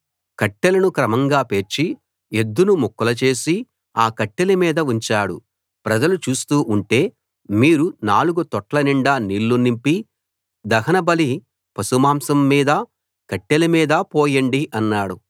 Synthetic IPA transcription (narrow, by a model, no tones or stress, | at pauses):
kɐʈːelɐnukɾɐmɐŋɡaːpe̞ːɾt͡ʃi | ed̪ːunumukːɐlɐt͡ʃe̞ːsi | aːkɐʈːelimiːd̪ɐuɲt͡ʃaːɽṵ | pɾɐd͡ʒɐlut͡ʃuːst̪uːʔuɳʈe̞ː | miːɾunaːluɡut̪ɔʈlɐniɳɖaːniːlːunimpi | d̪ɐɦɐnɐbɐli | pɐsumaːmsɐmːiːd̪ɐ | kɐʈːelimiːd̪ɐpɔːjɐɳɖiʔɐnːaːɽu